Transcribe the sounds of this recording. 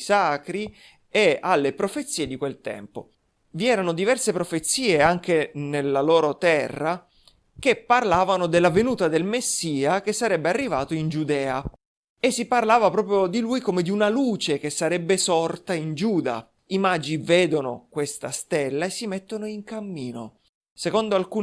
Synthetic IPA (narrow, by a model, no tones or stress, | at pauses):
saːkɾi | ealːepɾofet̪sːiːed̪ikwelt̪ɛ̰mpo̰ | viɛːɾanod̪ivɛrsepɾofet̪sːiːeaŋk̟enelːaloːɾot̪ɛrːa | k̟epːarlaːvanod̪elːavenuːt̪ad̪elmesːiːak̟esːaɾɛbːearːivaːt̪oind͡ʒud̪ɛːa | esːiparlaːvapɾɔːpɾjod̪ilujkomed̪iunaluːt͡ʃek̟esːaɾɛbːesɔrt̪aind͡ʒuːd̪a̰ | imad͡ʒiiveːd̪ono̰kwest̪a̰st̪elːaesːimet̪ːonoiŋkamːiːno̰ | sekond̪oalkuː